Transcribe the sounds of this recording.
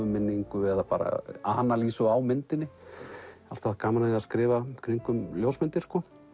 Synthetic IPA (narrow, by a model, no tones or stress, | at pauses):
ʏmɪnːiŋkʏɛðapaːɾa̰a̰hanːaliːsʏawmɪnt̪ɪnːɪ | a̰l̥t̪aakaːmanaðɪaðskɾɪːvakʰɾiŋkʏmljowsmɪnt̪ɪɾ̥skɔː